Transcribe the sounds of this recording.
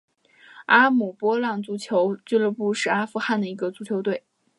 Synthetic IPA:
a˥mu˨˩pwɔ˥lɑ˥˩ŋt͡su˧˥t͡ɕʰjo˧˥ʊt͡ɕy˥˧˥lɤ˥˧pu˥˧ʂɻ̩˥˩a˥fu˧xa˥˩nd̪ə˩i˧˥ɡə˧t͡su˧˥t͡ɕʰjo˧˥ʊt̪we˥˩ɪ

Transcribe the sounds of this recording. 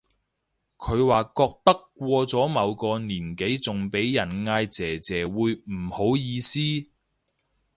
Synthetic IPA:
kʰɵ˨˧ɥwaː˨kɔː˧k̚t̪ɐ˥kːʷɔː˧t͡sɔː˨˥mɐ˨˧wkɔː˧niː˨˩nke˨˥jt͡sʊ˨ŋpe˨˥jjɐ˨˩nŋaː˧jt͡sɛː˨˩t͡sɛː˨˩wuː˨˧jm̩˨˩ho˨˥wjiː˨˧siː˥

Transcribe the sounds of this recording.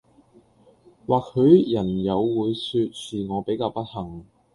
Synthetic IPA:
waː˨k̚hɵ˨˧ɥjɐ˨˩njɐ˨˧wːuː˨˧jsyː˧t̚siː˨ŋɔː˨˧pe˨˥jkaː˧wpɐ˥t̚hɐ˨˩ŋ

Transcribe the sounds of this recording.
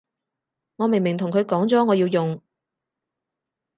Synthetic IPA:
ŋɔː˨˧me˨˩ŋmɪ˨˩ŋt̪ʰʊ˨˩ŋkʰɵ˨˧ɥkɔː˨˥ŋt͡sɔː˨˥ŋɔː˨˧jiː˧wjʊ˨ŋ

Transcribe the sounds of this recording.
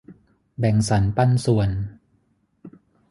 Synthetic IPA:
bɛ˨˩ŋsa˩˦npa˧nsu˨˩ən

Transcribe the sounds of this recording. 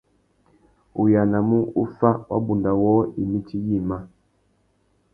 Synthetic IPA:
u˨ja˨na˨mu˦u˦fa˦wa̰˦bu˨nda˨wɔ˦i˨mi˦t͡ʃi˦ji˦˨ma˦

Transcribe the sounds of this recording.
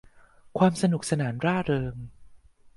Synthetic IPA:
kʰwaː˧msa˧nu˨˩k̚sa˧naː˩˦nɾaː˥˩ɾɤː˧m

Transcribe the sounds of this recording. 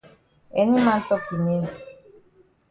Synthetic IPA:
e˨ɲi˦ma˦n̩˦tɔ˦kʰi˨ne˦m˨

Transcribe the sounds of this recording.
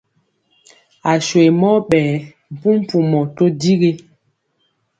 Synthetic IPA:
a˨ʃwe˨mɔ˦ɓɛː˨ | m̩˨pu˦m̩˦pu˨mɔ˨to˦di˦ɡe˦

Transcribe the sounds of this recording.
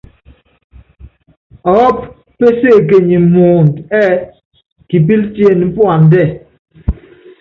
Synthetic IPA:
ɔ˨˦p̚ | pːe˦se˦˨k̬e˨ɲi˨mo˨n˨tɛː˦ | ki˨p̬i˦ltje˦˨n̩˨˦pu˦a˨n˨dɛ˦˨

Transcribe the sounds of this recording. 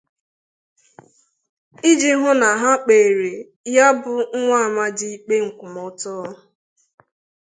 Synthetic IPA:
i˦d͡ʒi˦ɦʊ˦na˨ɦa˦k͡pe˨ɾe˨ | ja˦bʊ˨ŋ̩˦ŋʷa˦a˨ma˦di˦i˦k͡pe˦ŋ̩˨kʷʊ˨mɔ˨˦tɔ˦˨

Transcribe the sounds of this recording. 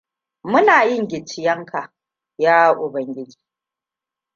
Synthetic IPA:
mʊ˦naː˨jɪ˦˨ŋɡʲɪ˨t͡ʃɪ˨jɐ˦ŋkʰa˨ | jaː˦ʔʊ˨bɐ˨ŋɡʲɪ˦d͡ʒi̥ː˨˦

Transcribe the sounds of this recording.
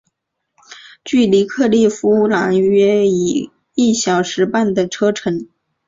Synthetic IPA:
t͡ɕy˥˩li˧˥kʰɤ˥˧li˥˩fu˥la˧˥ŋɥɛ˥i˨˩ | i˥˩ɕjɑ˨˩ʊʂɻ̩˧˥pa˥˩nd̪ə˩ʈ͡ʂʰɤ˥ʈ͡ʂʰɤ˧˥ŋ

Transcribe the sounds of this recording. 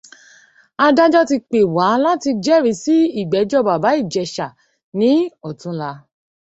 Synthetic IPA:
a˧da˦d͡ʒɔ˦ti˧k͡pe˨wa˨˦la˦ti˧d͡ʒɛ˦˨ɾi˨˧˦si˦i˦˨ɡ͡bɛ˨˦d͡ʒɔ˦ba˨ba˨˦i˦˨d͡ʒɛ˨ʃa˨ | nĩ˨˦ɔ˨tũ˦la˧

